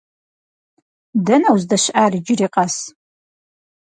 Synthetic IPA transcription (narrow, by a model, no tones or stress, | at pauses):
dɐnɐwzdɐɕʔaːrd͡ʒɪriːqʼɑs